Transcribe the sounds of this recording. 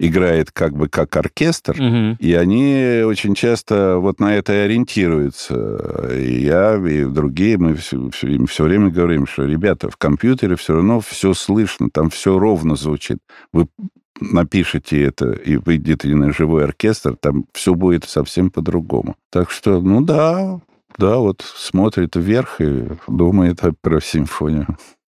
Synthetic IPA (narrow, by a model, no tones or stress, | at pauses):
ɪɡɾajɪt̪kaɡ̚bɨkakɐrkʲe̞st̪riɐnʲiot͡ɕɪnʲt͡ɕast̪əvo̞t̪nɐɛt̪əɐɾʲɪnʲtʲʰiɾʊjʊt̪sə̰ḭjaid̪ɾʊɡʲijəmɨfsfsfsʲɵvɾʲemʲəɡəvɐɾʲimʂt̪oɾʲɪbʲat̪ə̰fkɐmpʲjut̪ʲəɾʲɪfsʲoɾɐvno̞fsʲoslˠɨʂnə̰t̪amfsʲoɾo̞vnəzvʊt͡ɕḭt̪̚vɨ | nɐpʲiʂɨtʲɪɛt̪ə̰ḭvɨɡdʲɪt̪ɨɪnəʐɨvo̞jɐrkʲe̞st̪rt̪amfsʲɵbudʲɪt̪sɐfsʲe̞mpəd̪ɾʊɡo̰mʊ̰t̪akʂt̪o̞nud̪a | d̪avo̞t̪smo̞t̪ɾʲɪt̪ːʲe̞rxɪ̰d̪uməjɪt̪pɾəsʲɪmfonʲɪjʊ